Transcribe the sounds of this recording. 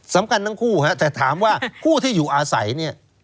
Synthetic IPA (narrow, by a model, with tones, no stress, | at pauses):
sa˩˦mkʰa˧nt̪ʰa˥˩ŋkʰuː˥˩ha˦˥t̪ɛː˨˩t̪ʰaː˩˦mwaː˥˩kʰuː˥˩t̪ʰiː˥˩juː˨˩ʔaː˧sa̰˩˦jni˥˩ɐ